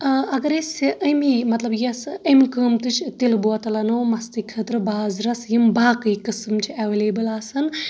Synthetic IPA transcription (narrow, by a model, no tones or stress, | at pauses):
ɐɡɐɾesʲʔɐjmimɐt̪lɐbjɐsəmkəːmt̪ɨt͡ʃʰt̪ilbuʋɐt̪ɐlɐnɐːmɐst̪ikʰːəːt̪ɾɨbaːzɾɐsjimbaːkɨjkɨsɨmt͡ʃʰiɐʋeleːbɨlaːsɐn